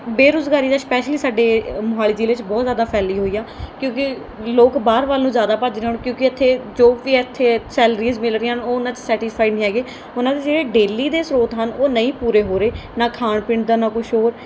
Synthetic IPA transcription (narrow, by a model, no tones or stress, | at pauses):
beːɾʊzɡaːɾiːd̪aːspɛːʃliːsaːɖeːmʊɦaːlɪːd͡ʒiːleɪt͡ʃbɔːt̪zjaːd̪aːpʰɛːliːɦoːiːjaːkjõːkɪ | loːkbaːɾʋaːlnũːzjaːd̪aːpad͡ʒɾeaːñũːkjõːkɪət̪ʰːeːd͡ʒoːʋiːət̪ʰːeːsɛːlɾiːzmɪlɾəĩːɦənoːʊnãːt͡ʃəsɛːʈɪspʰaːinĩːɦɛːɡeː | ʊnãːd̪eːd͡ʒeːɽeːɖeːliːd̪eːsɾoːt̪ɦənoːnəĩːpuːɾeːɦoːɾeːnaːkʰaːɳpɪɳɖd̪aːnaːkʊʃʰoːɾ